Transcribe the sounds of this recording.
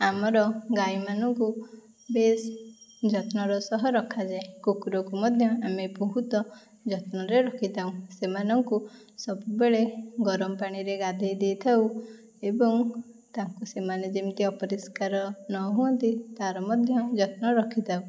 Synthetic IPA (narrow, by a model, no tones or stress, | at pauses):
amɔɾɔɡajmanɔŋku | besd͡ʒɔt̪nɔɾɔsɔɦɔɾɔkʰad͡ʒaekukuɾɔkumɔd̪ʱjɔamepɔɦut̪ɔ | d͡ʒɔt̪nɔɾeɾɔkʰit̪aũsemanɔŋku | sɔbubeɭeɡɔɾɔmɔpaɽ̃iɾeɡad̪ʱejd̪ejt̪ʰaw | ebɔŋ | t̪aŋkusemaned͡ʒimt̪iɔpɔɾiskaɾɔnɔɦuɔnt̪it̪aɾɔmɔd̪ʱjɔd͡ʒɔt̪̚nɔɾɔkʰit̪ʰaũ